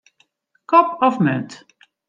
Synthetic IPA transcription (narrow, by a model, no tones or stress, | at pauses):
kɔp̚ɔfmø̰nt